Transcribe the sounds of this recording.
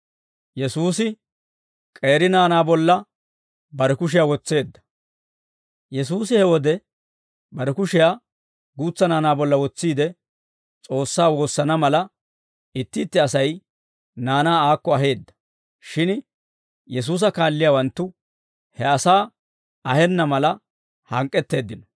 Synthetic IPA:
jɛsuːsɪ | kʼe̞ːɾɪnaːnaːbɔlːɐ | bɐɾɛkʊʃ̬ɪjaːwɔt͡sːe̞ːd̪ːɐ̥ | jɛs̬uːs̬ɪhɛwɔd̪ɛ | bɐɾɛkʊʃɪjaː | ɡuːt͡sːɐnaːnaːbɔlːɐwɔt͡sːiːd̪ɛ | t͡sʼo̞ːsːaːwo̞ːsːɐnɐmɐlɐ | ɪt̪ːɪːt̪ːɪɐsɐj | naːnaːaːkːɔɐɦe̞ːd̪ːɐ̥ | ʃɪn | jɛs̬uːs̬ɐkaːlːɪjaːwɐnt̪ːʊ | hɛɐsaː | ɐhɛnːɐmɐlɐ | hɐŋkʼːɛt̪ːe̞ːd̪ːɪnɔ

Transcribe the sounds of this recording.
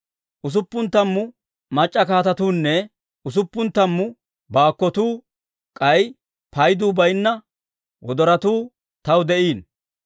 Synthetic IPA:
ʔʊs̬ʊpːʊnt̪ːɐmːʊ | mɐt͡ʃʼːɐkaːt̪ɐt̪uːnːɛ | ʊs̬ʊpːʊnt̪ːɐmːʊ | baːkːɔt̪uː | kʼɐj | pʰɐjd̪uːbɐjnːɐ | wɔd̪ɔɾɐt̪uː | t̪ɐwd̪ɛʔiːn

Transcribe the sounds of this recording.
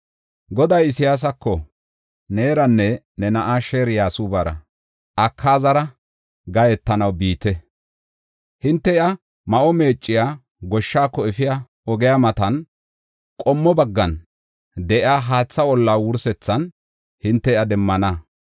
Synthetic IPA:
ɡɔd̪ɐjɪsɪjaːs̬ɐkːɔ | neːɾɐnːɛ | nɛnɐʔaːʃeːɾjaːsuːbaɾɐ̰ | ʔɐkʰːaːzɐɾɐ | ɡɐjɛt̪ːɐnɐwbiːt̪ɛ | hɪnt̪ːɛɪʔɐ | mɐʔɔme̞ːt͡ʃʼːɪjaː | ɡɔʃːaːkːɔɛfɪja | ɔɡɛjamɐt̪ɐn | kʼɔmːɔbɐɡːɐn | d̪ɛʔɪaːɦaːt͡sːɐwɔlːaːwʊɾsɛt͡sːɐn | hɪnt̪ːɛɪʔɐd̪ɛmːɐnaː

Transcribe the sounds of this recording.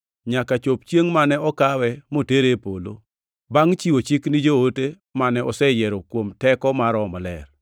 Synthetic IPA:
ɲakat͡ʃop̚t͡ʃjeŋmanɛɔkawɛmoteɾepolo̰ | baŋt͡ʃiwot͡ʃiknid͡ʒoote | manɛʔɔsɛjɛɾɔkwomtɛkɔmaɾɔmɔlɛr

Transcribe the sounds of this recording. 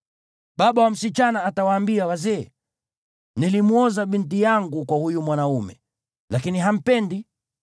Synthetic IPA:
ɓaɓawam̩sit͡ʃanaːtawaːmbiawazɛː | nilimuɔzaɓintijaŋɡukwahujumwanaumɛ̰ | lakiniɦam̩pɛndi

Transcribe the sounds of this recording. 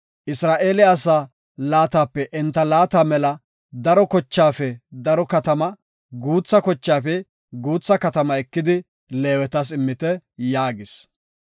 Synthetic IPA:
ʔɪsɾaːʔeːlɪːsaː | laːt̪aːpːɛʔɛnt̪ːɐlaːt̪aːmɛlɐ | d̪ɐɾɔkɔt͡ʃːaːfɛd̪ɐɾɔkɐt̪ɐmɐ | ɡuːt͡sːɐkɔt͡ʃːaːfɛ | ɡuːt͡sːɐkɐt̪ɐmɐɛkːɪd̪ɪ | leːwɛt̪ɐsɪmːɪt̪ɛjaːɡɪs

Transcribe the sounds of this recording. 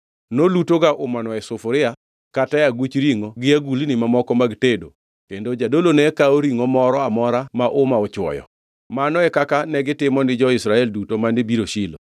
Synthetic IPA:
nolutoɡaʔʊmanɔɛsʊfʊɾɪa | katajaɡut͡ʃɾiŋoɡɪaɡulinɪmamɔkɔmaɡtedo | kendod͡ʒadolonɛkaoɾiŋomɔɾɔamɔɾamaʔʊmaɔt͡ʃwɔ̰jɔ̰ | manɔɛkakanɛɡɪtɪmɔnɪd͡ʒɔɪsɾaɛldutomanibiɾoʃɪlo

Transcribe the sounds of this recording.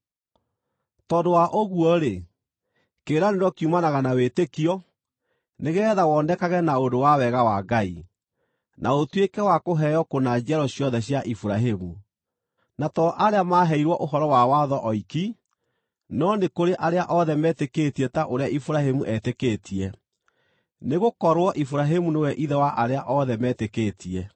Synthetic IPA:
tɔndowaʔoɣuɔɾe | keːɾaneɾɔkiumanaɣanawetekiɔ | neɣɛːðawɔndɛkaɣɛnaodowawɛɣawaɡaḭ | nʔaotwekɛwakoɦɛjɔkonad͡ʒɛɾɔɕjɔðɛɕjaʔifuɾaɦemu | natɔʔaɾeamaːɦɛiɾwɔʔoɦɔɾɔwawaðɔʔɔiki | nɔnekoɾeʔaɾeaʔɔðɛmɛːteketiɛtaʔoɾeaifuɾahemuʔɛtekeːtʰiɛ | neɣokɔɾwɔʔifuɾaɦemunewɛʔiðɛwaʔaɾeaʔɔðɛmɛtekeːtiɛ

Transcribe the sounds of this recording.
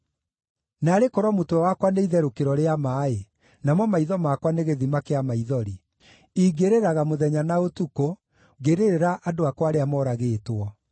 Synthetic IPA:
naːɾekɔɾwɔmotɛwakwaneiðɛɾokeɾɔɾeamae | namɔmaiðɔmakwaneɣeðimakeamaiðɔɾi | iːɡeɾeɾaɣamoðɛɲanaotuko | ɡeɾeɾeɾaʔadoakwaɾeamɔɾaɣeːtwɔ

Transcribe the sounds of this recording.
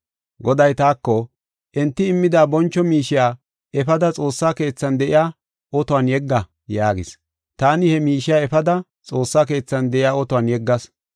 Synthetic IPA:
ɡɔd̪ɐjt̪aːkːɔ | ʔɛnt̪ːɪɪmːɪd̪aːbɔnt͡ʃːɔmiːʃɪjaː | ɛfɐd̪ɐt͡sʼo̞ːsːaːke̞ːt͡sːɐnd̪ɛʔɪ̰jaː | ʔɔt̪ɔanjɛɡːɐ | jaːɡɪs | t̪aːnɪhɛmiːʃɪjaːɛfɐd̪ɐ | t͡sʼo̞ːsːaːke̞ːt͡sːɐnd̪ɛʔɪjaːɔt̪ʊwanjɛɡːɐs

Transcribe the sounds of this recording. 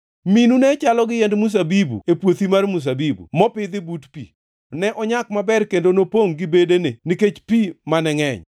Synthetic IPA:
minunɛt͡ʃalɔɡɪjɛndmus̬abibṵepwot̪imarmus̬abibṵmɔpɪd̪ɪbutpḭ | nɛʔɔɲak̚mabɛrkendonopoŋɡɪbedeneniket͡ʃpimanɛŋɛ̰ɲ

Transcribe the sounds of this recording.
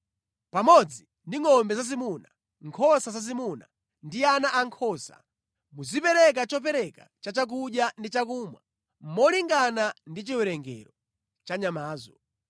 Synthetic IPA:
pamɔd͡zi | ndiŋɔmbɛzazimuna | ŋkʰɔsazazimuna | ndianaʔaŋkʰɔsa̰ | muzipɛɾɛk̬at͡ʃɔp̬ɛɾɛka̰t͡ʃat͡ʃak̬uɗjandit͡ʃak̬uːmwa̰ | m̩mɔliŋɡanandit͡ʃiwɛɾɛŋɡɛ̰ɾɔ | t͡ʃaɲamaːzɔ

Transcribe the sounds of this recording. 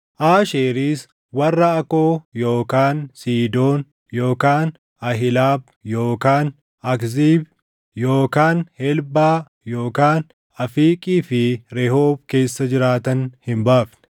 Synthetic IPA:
ʔaːʃeːɾiːs | wɐrːɐɐkoːjo̞ːkaːnsiːd̪o̞ːn | jo̞ːkaːn | ɐɦɪlaːb̚jo̞ːkaːn | ɐkziːb | joːkaːnhɛlbaː | jo̞ːkaːn | ɐfiːkʼiːfɪɾɛɦoːb̚ke̞ːsːɐd͡ʒɪɾaːt̪ɐnhɪmbaːfnɛ̥

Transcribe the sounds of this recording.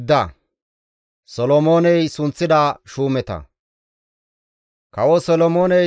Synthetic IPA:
d̪ːɐ | sɔlɔmoːnɛjsʊnt͡sːɪd̪aːʃuːmɛt̪ɐ̰ | kɐwɔsɔlɔmoːnɛ

